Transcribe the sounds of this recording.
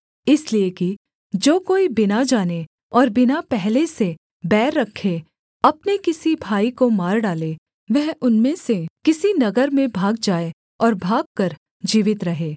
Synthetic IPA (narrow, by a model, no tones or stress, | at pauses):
ɪslieki | d͡ʒoːkoːibɪnad͡ʒaːne | ɔːɾbɪnapɛɦlese | bɛːɾːɐkʰːe | ɐpnekɪsibʱaːikomaːɾɖaːle | ʋɛɦʊnmẽsekɪsinɐɡəɾmẽbʱaːɡ̚d͡ʒaːe | ɔːɾbʱaːɡ̚kɐɾ | d͡ʒiːʋɪt̪ɾɐɦeː